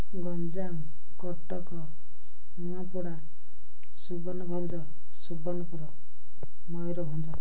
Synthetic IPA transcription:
ɡʌnd͡zam | kʌʈːʌkʌ | muapuɽa | subʌnʌbʱʌnt͡sʰʌ | subʌnʌpuɾʌ | mʌjɾobʱʌnt͡sʰʌ

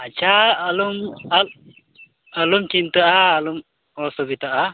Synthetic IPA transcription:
at͡ʃʰaəlumal | əlumt͡ʃint̪aʔaːlum | ɔsɔbit̪aʔa

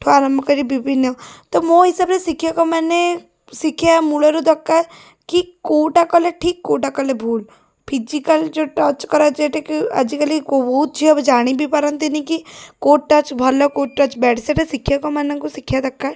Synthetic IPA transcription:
ʈʰoanɐmkəd͡ʒibibinet̪omõːɦɪsəbnesɪkʰijakomɛːne | sɪkʰjamuleɾud̪ɐkːa | kikoːʈakəleʈʰiːkːoːʈakəlebʱuːl | pʰid͡ʒikəld͡ʒoːʈət͡ʃkəɾad͡ʒeːʈekiɐ̰d͡ʒikəlikobɔːt̪̚d͡ʒiobd͡ʒaːɽ̃ibʱipɐɾə̃nt̪inĩkikoːʈʈːət͡ʃbʱɐlekoːʈ̚ʈət͡ʃbɛːʈʰseʈesɪkʰːjakomɛːnãkosɪkʰjad̪ɐkːa

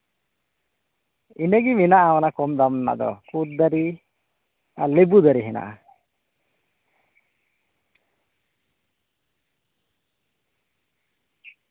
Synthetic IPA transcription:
inəɡiminaʔawanakɔmd̪amnːa̰ʔd̪ɔ̰kut̪̚d̪aɾi | alebud̪aɾiɦɛna̰ʔa

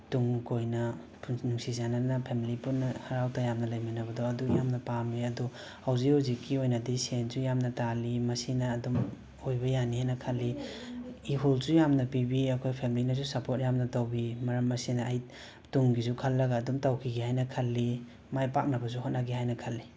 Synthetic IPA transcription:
tuŋkojnɐ | pʰunuŋsizananɐpʰemilipunːɐhaɾawtajamnɐlɐjminɐbɐdɔɐdujamnɐpamiɐdɔ | hawziuzikʰːiojnɐdisenzujamnɐtalimɐsinɐːdum | ojbɐjaniɦajnɐkʰɐlːi | iɦulsujamnɐpibiɐkʰojpʰemlinɐs̬usɐpot̚jamnɐtawbimɐɾɐmːɐsinɐːj | tuŋɡizukʰɐlːɐɡaːdumtawkʰiɡihajnɐkʰɐlːi | majpak̚nɐbɐs̬uɦotnaɡiɦajnɐkʰɐlːi

